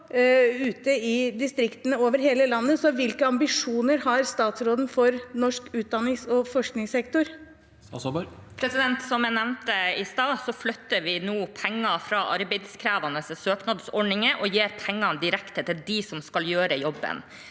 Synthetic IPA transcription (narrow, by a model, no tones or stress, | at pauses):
ʉːt̪əɪd̪ɪst̪ɾɪkt̪ənəoːʋəɾɦeːləlɑnːəsɔʋɪlkəɑmbɪʂuːnəɾhɑɾst̪ɑːt̪sɾoːd̪n̩fɔɾnɔʂkʉːt̪̚d̪ɑnːɪŋsɔfɔʂknɪŋsɛkt̪ʊɾ | pʰɾɛsɪd̪ɛnt̪sɔmæɪnɛʋnt̪əɪst̪ɑːsɔflœt̪ːəɾʋɪnuːpʰɛŋːɑfɾɑːʔɑɾbæɪd̪skʰɾæːʋɑnəssøːknɑd̪sɔɖɳɪŋəʔɔjeːɾpʰɛŋːɑnd̪ɪɾɛkt̪ət̪ʰɪld̪ɪsɔmskɑljøːɾəjɔbːə̰n